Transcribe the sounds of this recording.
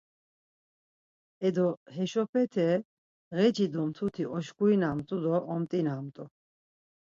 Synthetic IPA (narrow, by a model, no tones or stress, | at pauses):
ɛd̪ɔɦɛʃɔpʰɛt̪ʰɛ | ɣɛd͡ʒid̪ɔmt̪ʰut̪ʰiɔʃkuinamt̪ʼud̪ɔʔːmt̪ʼinamt̪ʼɔ